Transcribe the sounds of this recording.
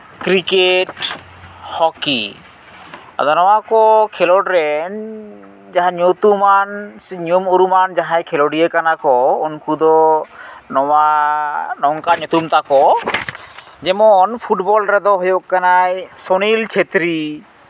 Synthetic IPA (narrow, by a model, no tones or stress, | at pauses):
kɾikeʈ | hɔkḭ | a̰d̪ɔnɔwakɔkʰɛlɔʈɾɛn | d͡ʒaɦãɲot̪umanɲumoɾumand͡ʒaɦajkʰɛloɖiekanakɔonkud̪ɔ | nɔwa | nɔŋkaɲɔt̪umt̪akɔ | d͡ʒɛmɔɔnpʰuʈbɔlɾɛd̪ɔɦojokːanajsonilt͡ʃʰet̪ɾi